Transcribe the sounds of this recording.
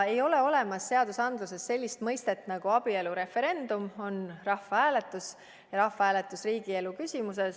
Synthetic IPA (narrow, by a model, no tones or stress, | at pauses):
e̞jo̞le̞o̞le̞mɑsːe̞ɑd̪̥usɑnd̪̥luse̞sse̞lʲːist̪mɤjst̪e̞t̪ːˑnɑɡ̥uɑb̥ie̞luɾe̞fe̞ɾe̞nd̪̥umo̞nrɑhfɑhæːle̞t̪ːˑus | jɑɾɑhfɑhæːle̞t̪ːˑusriːɡie̞lukysʲimuse̞s